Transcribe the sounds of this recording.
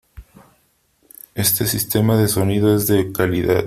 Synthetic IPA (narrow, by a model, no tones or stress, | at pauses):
e̞st̪e̞sist̪e̞maðe̞so̞nið̞oezðekaliða̰ð